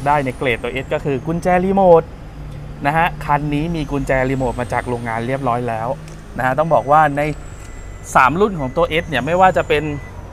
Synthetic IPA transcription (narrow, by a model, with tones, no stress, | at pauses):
daː˥˩jnɛ˥˩kleː˨˩t̪ːoː˧ʔe˦˥t̪̚kɔ˥˩kʰɯː˧ku˧nt͡ɕɛː˧liː˧moː˨˩t̪̚ | na˦˥kʰa˦˥kʰa˧nːiː˦˥miː˧ku˧nt͡ɕɛː˧liː˧moː˨˩t̪̚maː˧t͡ɕaː˨˩k̚ɾoː˧ŋːaː˧nɾi˥˩əp̚ɾɔː˦˥jlɛː˦˥w | na˦˥a˦˥t̪̬ɔ˥˩ŋbɔː˨˩k̚waː˥˩na˧j | saː˩˦mɾu˥˩nkʰɔː˩˦ŋt̪oː˧ʔe˦˥t̪̚ni˥˩ɐma˥˩jwaː˥˩t͡ɕa˨˩pe˧n